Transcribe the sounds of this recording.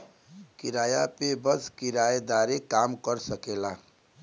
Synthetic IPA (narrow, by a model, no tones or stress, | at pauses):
kɪɾaːjapebəskɪɾaːjd̪aːɾekaːmkəɾsəkeːlaː